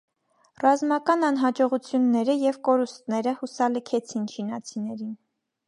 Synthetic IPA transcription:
rɑzmɑkɑnɑn̪ɦɑd͡ʒɔʁut͡sʰjunːɛɾəjɛvkɔɾust̪̚nɛɾəhusɑləkʰɛt͡sʰint͡ʃʰinɑt͡sʰinɛɾin

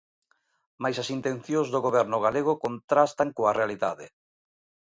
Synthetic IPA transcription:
majsasint̪ẽnθjõzðoɣoβɛɾnʊɣ̞aleɣ̞okont̪ɾast̪aŋkoarealiða̰ðɪ

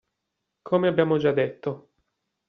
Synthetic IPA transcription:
kʰoːmeabːjaːmod͡ʒad̪ːet̪ːo

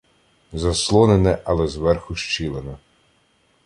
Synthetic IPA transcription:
zɐslˠɔnenɛʔɐlˠɛzʋɛrxʊʃt͡ʃilˠenɛ

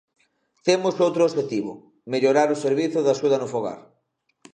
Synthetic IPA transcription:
t̪emʊsowt̪ɾoʃet̪iβ̞ʊ̰ | meʎoɾaɾʊseɾβiθʊðasuðɐnʊfoɣa̰ɾ

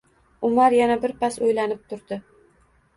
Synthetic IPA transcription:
ʊmaɾjanabɪɾpasojlanɪp̚t̪ʰʊɾd̪ɪ

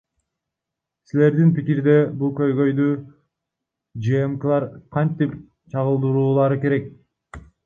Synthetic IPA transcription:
sile̞ɾd̪inpikiɾd̪e̞bulˠkø̞jɡø̞jd̪y | d͡ʒeemkɯlˠɑɾqʰɑnt̪ip | t͡ʃʰɑʁɯlˠd̪ɯɾuːlˠɑɾɯke̞ɾe̞k̚

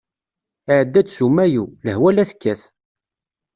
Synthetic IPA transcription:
ɪʕəd̪ːæt͡sːsumːæjuləhwælæθkːæθ

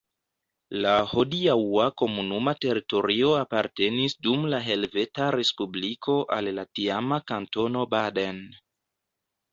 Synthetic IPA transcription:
laho̞diawako̞munumate̞ɾito̞ɾio̞apaɾte̞nisdumlaɦe̞lve̞taɾe̞spublikʰo̞ʔalːatiamakanto̞no̞baden

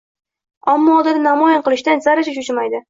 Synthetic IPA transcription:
amːɒːd̪ɪd̪ɪnamɒjanqɨlˠɪʃt̪ansaɾat͡ʃaʃ̬ʊt͡ʃɪmajd̪ɪ

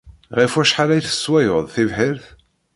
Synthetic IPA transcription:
ʁifæʃħaɾæjθə̥sːwæjʊðˤθivħɪɾθ

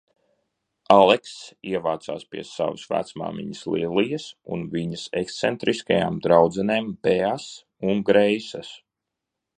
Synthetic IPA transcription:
alˠeksiɛvaːt̪sa̰ːspiɛsa̰vəsvæ̰t̪sma̰ːmḭɲəslˠiːlˠijəsṵnviɲəsekst̪sɛnt̪ɾʔiskaja̰ːmd̪ɾawd̪zɛneːmbɛaːs | uŋɡɾɛjsɐs

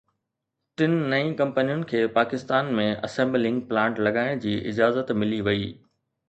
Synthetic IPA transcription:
ʈɪnːɐĩkɐ̃mpənijʊnɪ̆kʰeːpaːkɪst̪aːnmẽʔɐsẽːmblɪ̃ŋɡ̚plãːɳʈlɐɡaːɪñd͡ʑiːʔɪ̰d͡ʑaːzət̪mɪliʋɐiː

